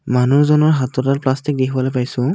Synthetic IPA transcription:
manuɹzɔnɔɹɦatɔtatplastik̚dikʰbɔlojpajsʊ̃

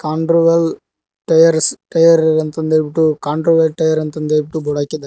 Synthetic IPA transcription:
kaːɳʈɾoʋɐl | ʈɐjɐɾsʈɐjɐɾɐnt̪ɐnd̪eɾbiʈːukaːɳʈɾoːʋɐlʈɐjɐɾɐnt̪ɐnd̪eɾbiʈːubɔɽaːkːid̪ɐ

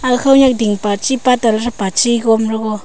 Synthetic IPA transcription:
axawɲak̚d̪iŋpat͡ʃipat̪alaʐapat͡ʃiɡomɾoɣo

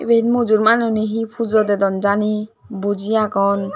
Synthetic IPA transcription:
bed̪mud͡ʒuɾmanɔniɦipʰud͡ʒɔd̪ed̪ɔnd͡ʒani | bud͡ʒijakɔn

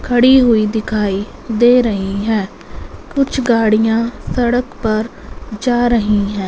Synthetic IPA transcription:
kʰəɽiːɦʊiːd̪ɪkʰaːiː | d̪eːɾəɦiːɦɛː | kʊt͡ʃʰɡaːɽijãːsəɽəkpəɾ | d͡ʒaːɾəɦiːɦɛ̃ː

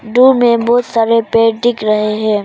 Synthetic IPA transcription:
ɖumẽbɔːt̪saːɾepeːɖɪkɾɐɦeɦɛ̃ː

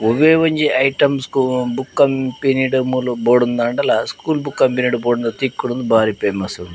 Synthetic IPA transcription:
uʋeːʋɐɲd͡ʒiʔɐjʈɐmskubukːɐmpiniʈumuluboːɽund̪ɐɳɖɐlɐskuːlbukːɐmpjuniʈuboːɽund̪ɐt̪ikːuɽund̪ubʱaːɾipeːmɐsund̪i

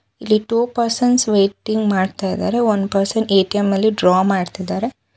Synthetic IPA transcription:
ilːiʈuːpɐɾsɐnsʋeːʈiŋɡmaːɖt̪ajd̪a̰ːɾeʋɐnpɐɾsɐneːʈiɐmɐlːiɖɾaːmaːɖt̪id̪aːɾe

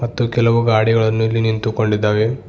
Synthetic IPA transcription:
mɐt̪ːukɛlɐʋuɡaːɽiɡɐɭɐnːulːinint̪uko̞ɳɖid̪ːaːʋe

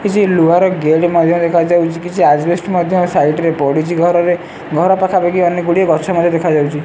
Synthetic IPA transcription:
kit͡ʃʰiluɦaɾɔɡeɽmɔd̪ʱjɔd̪ekʰad͡ʒawt͡ʃʰikit͡ʃʰiad͡ʒbesʈmɔd̪ʱjɔsaiʈɾepɔɽit͡ʃʰiɡʱɔɾɔɾe | ɡʱɔɾɔpakʰabeɡiɔneɡuɽieɡɔt͡ʃʰɔmɔd̪ʱjɔ̃d̪ekʰad͡ʒawt͡ʃʰi

